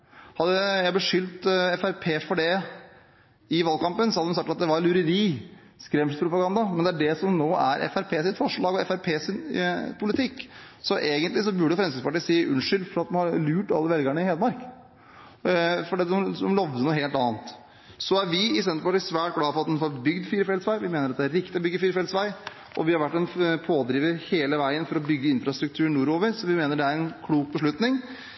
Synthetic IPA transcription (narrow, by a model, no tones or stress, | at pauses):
hɑd̪ːəjæɪb̪lɛʂʏlt̪ɛfæɾpʰeːfɔɖɛ | ɪʋɑlkɑmpənsɔhɑd̪d̪ɛmsɑk̚t̪ɑt̪̚d̪ɛʋɑɾlʉɾəɾiː | skɾɛmsʉt̪spʰɾʊpɑɡɑnd̪ɑmɛnd̪ɛæɖɛsɔmnoːæ̰ɾʔɛ̰fæɾpʰeːsɪt̪fɔʂɭɑːɡɔɛfæɾpʰeːsɪnpʰʊlɪt̪ʰɪkː | sɔʔeːɡənt̪lɪs̬ɔbʉɖəfɾɛmsɪspɑʈiːsiːʔʉnʂʏlfɔɾɑt̪mɑnhɑɾlʉːʈɑlːəʋɛlɡəɳəɪheːd̪əmɑɾk | fɔɖiːt̪d̪ɛmd̪ɔmlɔʋd̪ənuːɦeːlt̪ɑːənt̪ | sɔæɾʋɪɪs̬ɛnəpɑʈisʋæːʈ̚ɡlɑːfɔɾɑt̪̚mɛnfɔɾbʏɡd̪fiːɾfɛlsʋæɪʋɪmeːnəɾɑt̪d̪æɾɪkt̪ɪɔbʏɡːəfiːɾfɛlsʋæɪ | ʔɔʋɪhɑɾʋæʈːɛnpʰoːd̪ɾiːʋəɾheːləʋæɪənfɔɾɔbʏɡːəɪnfɾɑst̪ɾʉk̚t̪ʰʉːɳːuːɾoːʋəɾsɔʋɪmeːnəɖɛæɾɛnkʰluːk̚bəʂ̬ɭʉt̪nɪŋ